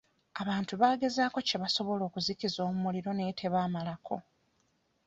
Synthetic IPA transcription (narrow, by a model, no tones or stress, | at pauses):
aβaːntuβaːɡe̞zaːko̞ce̞βaso̞βo̞lo̞ːkuzicizo̞ːmumuliɾo̞ne̞tʰe̞βaːmalakʰo̞̰